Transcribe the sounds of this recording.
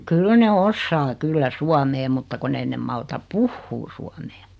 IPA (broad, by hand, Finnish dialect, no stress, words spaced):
kyl ne osːɑː kylːæ suɑmeː mutːɑ kunː ei nem mɑltɑ puhːuː suɑmeː